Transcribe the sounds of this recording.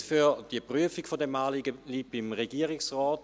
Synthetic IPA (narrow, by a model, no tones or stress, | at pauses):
fyd̥iəpʁyəfikfodɛmaːliɡəliːb̥imʁeɡiːəʁiksʁɔːt